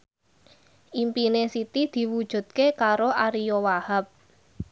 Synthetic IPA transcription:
ʔimpinesit̪id̪̥i̤wud̥ʒ̥ṳd̪̥̚kekaɾoʔaɾijɔwahap̚

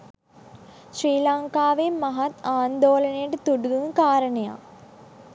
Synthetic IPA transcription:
ɕriːlaŋkaːʋemːɐɦɐt̪aːnd̪oːlɐnejəʈət̪uɖuɡuŋkaːɾəɳɐja̰

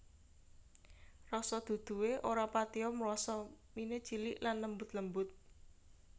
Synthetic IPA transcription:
rɔsɔd̪̥ṳd̪̥ṳweʔoɾapat̪iɔmlɔsɔmined̥ʒ̥i̤lɪʔlanːəmbʊt̪ləmbʊt̪̚

